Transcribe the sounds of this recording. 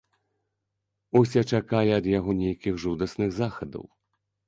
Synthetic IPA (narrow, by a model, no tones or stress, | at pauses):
usʲat͡ʂakalʲiɐd̪jaɣɔnʲejkʲiɣʐud̪ɐsnɨɣzaxɐd̪ɐ̰w